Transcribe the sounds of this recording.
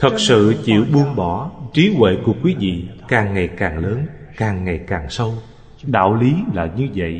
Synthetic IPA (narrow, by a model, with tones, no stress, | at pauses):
t̪ʰə˨˩t̚sɨ̰˧˨t͡ɕḭ˧˨wɓu˧əŋɓɔ˧˩t͡ɕi˨˦kwɛ̰˧˨ku˨˧˩əkwi˨˦vḭ˧˨kaː˨˩ŋːa˨˩jkaː˨˩ŋləː˨˦n | kaː˨˩ŋːa˨˩jkaː˨˩ŋsə˧w | ɗa̰ː˧˨wli˨˦laː˨˩ɲɨ˧və̰˧˨jʔ